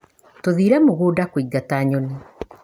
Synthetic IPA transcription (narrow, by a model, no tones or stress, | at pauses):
toðiːɾɛmoɣoːdakwiɡataɲoni